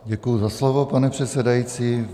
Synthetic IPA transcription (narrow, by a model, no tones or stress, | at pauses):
ɟɛkujuzaslovopanɛpr̝̥ɛt̪sɛdajiːt͡siː